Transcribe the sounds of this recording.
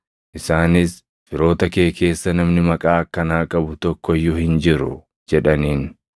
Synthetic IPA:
ʔɪsaːnɪs | fɪɾo̞ːt̪ɐke̞ːkʰe̞ːsːɐnɐmnɪmɐkʼaːɐkːɐnaːkʼɐbʊt̪ɔkːɔjːʊhɪnd͡ʒɪɾʊ̰ | d͡ʒɛᶑɐniːn

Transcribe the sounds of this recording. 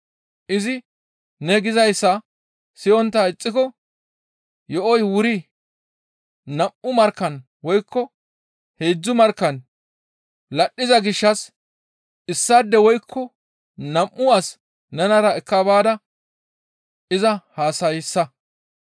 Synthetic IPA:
ʔɪzɪ | nɛɡɪzɐjsːɐ | sɪɔnt̪ːɐɪt͡sʼːɪkɔ | jɔʔɔjwʊɾi | nɐmʔʊmɐɾkːɐn | wɔjkʰːɔ | heːd͡zːʊmɐɾkːɐn | lɐɗːɪzɐɡɪʃːɐs | ɪsːad̪ːɛwɔjkʰːɔ | nɐmʔːʊɐs | nɛnɐɾɐɛkːɐbaːd̪ɐ | ʔɪzɐhaːsɐjɪsːɐ

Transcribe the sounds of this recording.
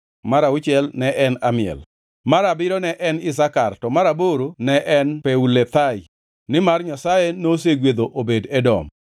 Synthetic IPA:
maɾaʊt͡ʃɛlnɛʔɛnamɪɛ̰l | maɾabɪɾɔnɛʔɛnɪs̬akartɔmaɾaboɾonɛʔɛnpeulet̪ai | nɪmarɲasajenos̬eɡwed̪oʔobedɛdɔ̰m

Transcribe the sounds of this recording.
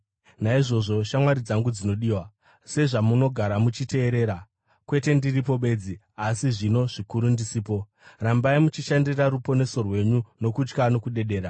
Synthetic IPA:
naiʐo̞ʐo̞ʃamwaɾid͡zaŋɡud͡zino̞ɗiːwa | se̞ʐamuno̞ɡʱaɾamut͡ʃite̞ːɾe̞ːɾa | kwe̞te̞ndiripo̞ɓe̞ːd͡zi | asiʐino̞ʐikuɾundisiːpo̞ | rambaimut͡ʃiʃandiraɾupo̞ne̞so̞rwe̞ɲuno̞kut͡ʃkano̞kuɗe̞ɗe̞ːɾa

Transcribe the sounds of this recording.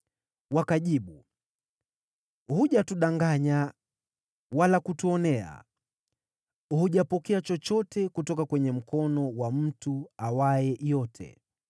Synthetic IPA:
wakaʄiɓu | huʄatuɗaŋɡaɲa | walakutuɔnɛa̰ | huʄapɔkɛat͡ʃɔt͡ʃɔtɛkutɔkakwɛɲɛm̩kɔnɔwam̩tuawaɛjɔtʰɛ̰

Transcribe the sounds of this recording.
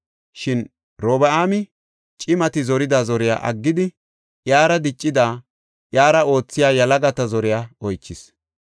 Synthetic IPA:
ʃɪn | ɾoːbɐaːmɪ | t͡ʃʼɪmɐt̪ɪzɔɾɪd̪aːzɔɾɪja̰ːʔɐ̰ɡːɪd̪ɪ | jaːɾɐd̪ɪt͡ʃʼːɪd̪aː | ʔjaːɾɐo̞ːt͡sːɪjaːjɐlɐɡɐt̪ɐzɔɾɪjaːɔjt͡ʃːɪs

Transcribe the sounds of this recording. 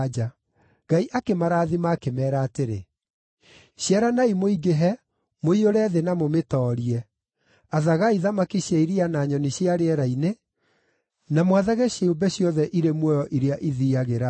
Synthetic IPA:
d͡ʒa | ɡ̥aiʔakemaɾaːðimakemɛːɾaːteɾḛ | ɕjɛɾanaimoiɡeɦɛ | moioɾɛðenamometɔːɾiɛ | aðaɣaiðamakiɕjaiɾianaːɲɔniɕjaɾeɛɾaine | namwaðaɣɛɕeobɛɕjɔðɛʔiɾemwɔjɔʔiɾeaʔiðiaɣeɾa

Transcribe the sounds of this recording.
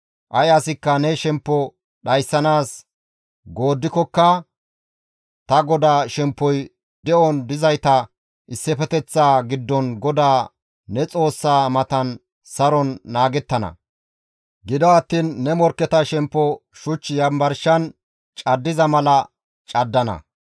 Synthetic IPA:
ʔɐjɐsɪkːɐnɛʃɛmpːɔ | ɗɐjsːɐnaːs | ɡoːd̪ːɪkɔkːɐ | t̪ɐɡɔd̪aːʃɛmpːɔj | d̪̥ɛʔɔnd̪ɪzɐjt̪ɐ | ʔɪsːɛfɛt̪ɛt͡sːaːɡɪd̪ːɔnɡɔd̪aː | ɛt͡sʼo̞ːsːaːmɐt̪ɐn | sɐɾɔnːaːɡɛt̪ːɐnɐ̰ | ɡɪd̪ɔɐt̪ːiːnːɛmɔɾkːɛt̪ɐʃɛmpːɔʃʊt͡ʃːɪjɐmbɐɾʃɐn | t͡ʃʼɐd̪ːɪzɐmɐlɐ | t͡ʃʼɐd̪ːɐnɐ̰

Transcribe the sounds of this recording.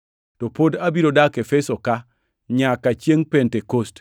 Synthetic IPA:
tɔpodabiɾodakefesoka | ɲakat͡ʃjeŋpentekost

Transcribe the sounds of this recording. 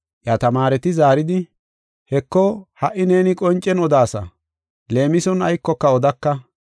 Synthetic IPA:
ʔjat̪ɐmaːɾɛt̪ɪzaːɾɪd̪ɪ | hɛkːɔhɐʔːɪne̞ːnɪkʼɔnt͡ʃʼːɛnɔd̪aːsɐ̰ | le̞ːmɪsɔnɐjkːɔkːɐɔd̪ɐkːɐ

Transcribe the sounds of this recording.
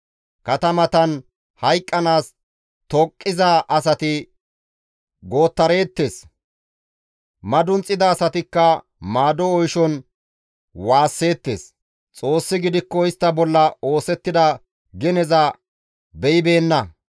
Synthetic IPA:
kɐt̪ɐmɐt̪ɐn | hɐjkʼːɐnaːs | t̪ɔkʼːɪzaʔɐsɐt̪ɪ | ɡo̞ːt̪ːɐɾe̞ːt̪ːe̞ːs | mɐd̪ʊnt͡sʼːɪd̪ɐːsɐt̪ɪkːɐ | maːd̪ɔːjʃɔn | waːsːe̞ːt̪ːe̞̰ːs | t͡sʼo̞ːsːɪɡɪd̪ɪkːɔɪst̪ːɐbɔlːɐo̞ːsɛt̪ːɪd̪ɐ | ɡɛnɛzɐ | bɛjɪbe̞ːnːɐ

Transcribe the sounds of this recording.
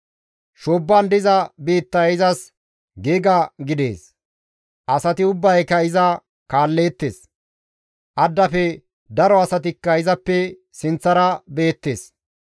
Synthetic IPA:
ʃoːbːɐnd̪ɪzɐbeːt̪ːɐɪzɐs | ɡeːɡɐɡɪd̪e̞̰ːs | ʔɐsɐt̪ɪʊbːɐjkɐɪzɐ | kaːlːeːt̪ːḛːs | ʔɐd̪ːɐfɛ | d̪ɐɾɔɐsɐt̪ɪkːɐɪzɐpːɛ | sɪnt͡sːɐɾɐbe̞ːt̪ːe̞̰ːs

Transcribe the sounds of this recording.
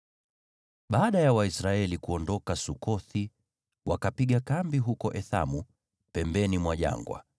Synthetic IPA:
ɓaːɗajawaisɾaɛlikuɔndɔkasukɔθi | wakapiɠakambiɦukɔʔɛθa̰mu | pɛmbɛnimwaʄa̰ŋɡwa̰

